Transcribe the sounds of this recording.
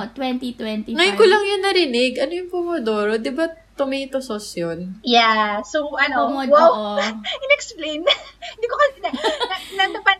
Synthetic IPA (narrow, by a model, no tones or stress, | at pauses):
t̪wɛnt̪it̪wɛnt̪iŋɐjonkolɐŋjʊnːɐɾɪnɪɡʔɐnojʊŋpomod̪oːɾod̪ɪbat̪ʊmit̪ososjonjasowʔɐnoɐwawɪnɛksplejnɪnd̪ikokɐsnɐnɐnɐd̪ɐpɐt̪